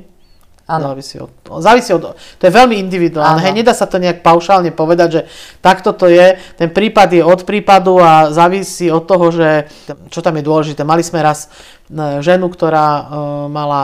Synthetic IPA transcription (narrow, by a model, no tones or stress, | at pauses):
zaːʋisḭɔ̰zaːʋisiːɔd̪t̪ɔjɛʋɛlmiind̪iʋid̪uaːlnɛːɦɛjɲɛd̪aːsat̪ɔɲɛak̚paʊʃaːlɲɛpɔʋɛd̪aɟʒɛt̪akt̪ɔt̪ɔjɛt̪ɛnpɾiːpad̪jɛɔt̪pɾiːpad̪uazaːʋisiːɔt̪ːɔɦɔʒɛ | t͡ʃɔt̪amjɛd̪ʊɔlɛʒit̪ɛːmalizmɛɾas | ʒɛnukt̪ɔɾaːmala